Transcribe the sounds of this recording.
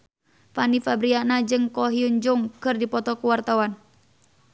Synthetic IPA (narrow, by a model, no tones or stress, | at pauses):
fanifabɾianad͡ʒɨŋkɔɦiuɲd͡ʒuŋkɨrdipɔt̪ɔkuwart̪awan